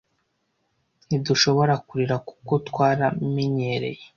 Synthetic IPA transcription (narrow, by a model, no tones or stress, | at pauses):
niduʃo̞βo̞ɾakuɾiɾaku̥ko̞twaːɾameɲe̞ɾe̞̰je